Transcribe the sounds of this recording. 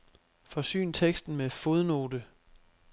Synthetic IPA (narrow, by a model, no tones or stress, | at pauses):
fɒ̽sy̰ːnt͡sʰeɡ̥sd̥n̩mefo̝ð̞ˠno̝ːdə